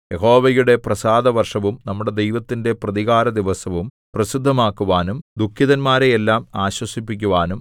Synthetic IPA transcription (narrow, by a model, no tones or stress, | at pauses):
jeɦo̞ːʋɐjuɽe̞prɐsaːd̪ɐʋɐrʂɐʋumnɐmːuɽe̞d̪ejʋɐt̪ːinde̞prɐðiɣaːɾɐd̪iʋɐsɐʋum | prɐsid̪ʱːɐmaːkːuʋaːnumd̪ukʰːiðɐnmaːɾejelːaːmaːɕwɐsipːikʲːuʋaːnum